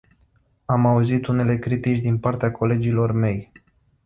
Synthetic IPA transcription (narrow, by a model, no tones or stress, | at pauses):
amauzit̪une̞le̞kɾit̪it͡ʃʲd̪inpart̪eakʰo̞le̞d͡ʒilo̞rme̞j